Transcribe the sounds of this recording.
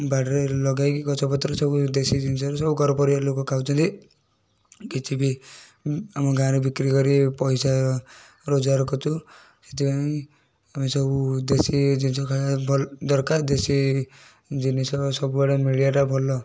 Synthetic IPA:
baʈɾelɔɡajkikɔt͡ʃʰɔpɔt̪ɾɔsɔbud̪esid͡ʒinsɔɾsɔbuɡɔɾɔpɔɾibalokɔkʰawt͡ʃʰɔnt̪i | kit͡ʃʰibi | amɔɡãɾebikɾikɔɾipɔjsa | ɾod͡ʒaɾkɔtʰu | se̥t̪ʰipaĩ | amisɔbud̪esid͡ʒinsɔkʰaabʱɔd̪ɔɾkaɾd̪esi | d͡ʒinisɔsɔbubaɽamiɭijaʈabʱɔlɔ

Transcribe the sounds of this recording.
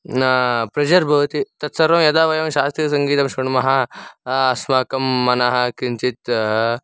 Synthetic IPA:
pɾed͡ʒɐɾbʱɐʋt̪it̪ɐt̪sɐɾɐmjɐd̪aːʋɐjɐmʃaːst̪ɾijɐs̬ɐŋɡiːt̪ɐmʃuɳmɐɦa | ɐsmaːkɐmːɐnaɦɐkint͡ʃit̪

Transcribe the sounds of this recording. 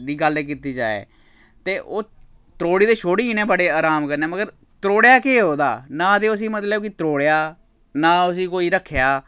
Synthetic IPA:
d̪iːɡəleːk̬iːt̪iːd͡ʒaːḛː | t̪eːʔoː | t̪əɾoːɽiːd̪eːʃʰoːɽeːiːnẽːbəɽeːaːɾaːmkəɾneːməɡəɾ | t̪əɾoːɽejaːkeːɦoːd̪a̰ːnãːət̪eːʊsĩːmət̪ləkɪt̪ɾoːɽejaː | nãːʊs̬ĩːkoːiːɾəkʰːjaː

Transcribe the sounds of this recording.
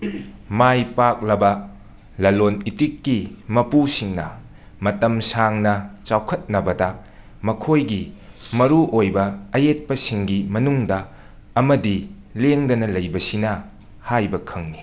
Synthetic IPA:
majpak̚lɐbɐ | lɐlonitikːimɐpusiŋnɐ | mɐtɐmsaŋnɐt͡ʃawkʰɐt̚nɐbɐdɐ | mɐkʰojɡi | mɐɾuʔojbɐɐjet̚pɐsiŋɡimɐnuŋdɐ | ɐmɐdi | leŋdɐnɐlɐjbɐsinɐ | hajbɐkʰɐŋni

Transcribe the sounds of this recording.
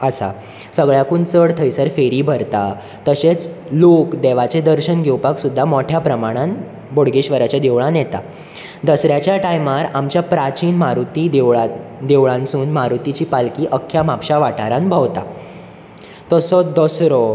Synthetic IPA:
əsa̰ | səɡɭjakuːnt͡səɽt̪ʰəjsəɾfeɾiːbʱəɾt̪a | t̪əset͡slokd̪eʋat͡sed̪əɾɕənɡʱewpaksud̪ʱːamoʈʰjapɾəmaɽ̃ãn | boɽɡeɕʋəɾat͡ɕjad̪eʋɭãnjɛt̪a̰ | d̪əsɾjat͡ɕjaʈajmaɾamt͡ɕjapɾat͡ɕiːnmaɾut̪id̪d̪eʋɭãnsuːnmaɾut̪it͡ɕiːpalkiːʔəkʰːjamapɕaʋaʈʰaɾãnbʱəʋt̪a̰ | t̪əsɔd̪əsɾɔ

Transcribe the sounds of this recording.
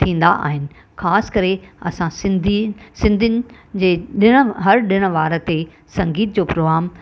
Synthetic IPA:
t̪ʰĩːn̆d̪aʔa̰ːɦɪnɪ̆ | xaːskɐɾeɐ̰sãsɪ̃nd̪isɪ̃nd̪ʱɪnɪ̆ | d͡ʑeːɗɪɽ̃əɦɐɾɗɪɽ̃ə̆ʋaːɾə̆t̪e | sɐ̃ŋɡiːt̪̚d͡ʑoːpɾoːɣaːm

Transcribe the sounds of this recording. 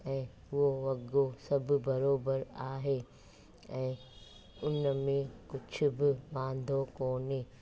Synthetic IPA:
ɛ̃ː | ʋoʋɐɡoːsɐbbɐɾoːbəɾaːɦeː | ɛ̃ː | ʊnmẽkʊt͡ʃʰʊbɪbãːnd̪ʱoːkoːneː

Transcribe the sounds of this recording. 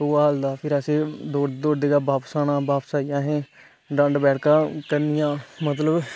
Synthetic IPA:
uaːɦld̪aːpʰɪɾəsẽːd̪oːɽd̪oːɽd̪eːɡaːbaːpsaːnãːbaːpsaːijãːɦɛ̃ː | ɖə̃ɳɖbɛːɽkãːkəɾnɪjãːmət̪ləb

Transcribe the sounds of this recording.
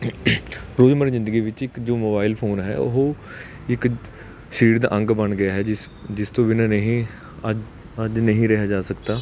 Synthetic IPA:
ɾoːd͡ʒməɾzɪ̃nd̪əɡiːʋɪt͡ʃɪkd͡ʒoːmoːbaːɪlpʰoːnɦɛ̰ːo̰ɦoː | ɪk | ʃiːɾd̪a̰ːʔə̃ŋɡbəɳɡɪjaːɦɛːɪ | d͡ʒɪst̪õːʋɪnãːnəɦĩː | əd͡ʒnəɦĩːɾɛɦaːd͡ʒaːsəkt̪aː

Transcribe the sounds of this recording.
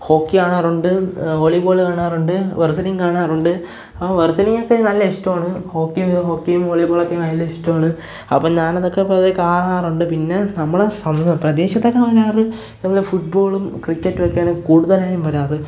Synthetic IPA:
ho̞ːkːiaːɳaːruɳɖɨoːɭiboːɭkaːɳaːruɳɖɨʋersɐniŋkaːɳaːruɳɖɨ | ɐpːoʋersɐniŋːokːenɐlːɐeʂtːɐmaːɳɨho̞ːkːiɦo̞ːkːijumoːɭiboɭokːenɐjlːɐeʂtːɐmaːɳɨ | ɐpːoɲaːnɐðokːepɐðekːaːraːruɳɖɨpinːe̞nɐmːɐɭesɐmɐɐmprɐd̪e̞ːɕɐt̪ːɐkːɐmɐɾaːrɨ | nɐmːɐlefuʈ̚bo̞ːɭumkrikːeʈːuʋɐkːejaːɳɨkuːɽuðɐlaːjumʋɐɾaːrɨ

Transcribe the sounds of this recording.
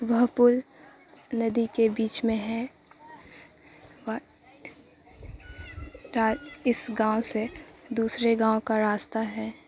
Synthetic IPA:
ʋɐɦpʊl | nɐd̪ikebiːt͡ʃmẽɦɛ | ɾaːɪsɡãːosed̪uːsɾeɡãːõkaɾaːst̪aɦɛː

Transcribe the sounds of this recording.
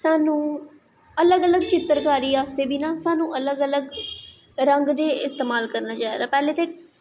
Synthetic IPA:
saːnũː | ələɡələɡ̚t͡ʃɪt̪ːəɾkaːɾiːaːst̪eːbiːnãːsaːnũːʔələɡələɡ | ɾəŋɡd̪eːɪst̪eːmaːlkəɾnaːt͡ʃaːeɡaːpɛːleːt̪eː

